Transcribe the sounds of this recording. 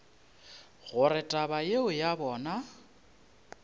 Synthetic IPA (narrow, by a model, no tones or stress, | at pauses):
ɣʊɾɪtʼabajeʊjabɔːna